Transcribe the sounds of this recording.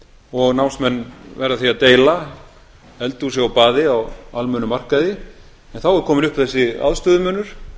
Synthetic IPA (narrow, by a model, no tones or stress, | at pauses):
ɔɣnawnsmɛnːvɛɾðaθiaðt̪eːjla | ɛlt̪usjɛɣawpaːðɪawalmœːnʏmar̥kaðɪ | ɛnθawɛɾkʰɔːmɪnʏhpɪθɛsːɪa̰ðst̪œːðʏmœːnʏɾ̥